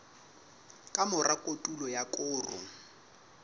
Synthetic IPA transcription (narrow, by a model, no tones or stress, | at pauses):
kʼamʊrakʼotʼulɔjakʼʊːrʊ̰